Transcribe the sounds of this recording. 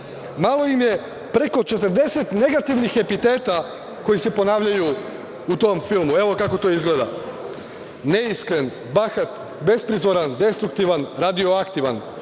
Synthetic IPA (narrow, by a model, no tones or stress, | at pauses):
malˠo̞imje̞ | pɾe̞ko̞t͡ʃe̞t̪əɾd̪e̞se̞t̪ne̞ɡat̪iʋnixepit̪e̞ːt̪a | ko̞jise̞po̞naːʋʎaju | ut̪o̞mfilˠmue̞ʋo̞kako̞t̪o̞izɡled̪a | ne̞iskɾe̞n | baxat̪ | be̞spɾizʋoɾand̪e̞st̪ɾukt̪iʋanɾad̪io̞akt̪iʋan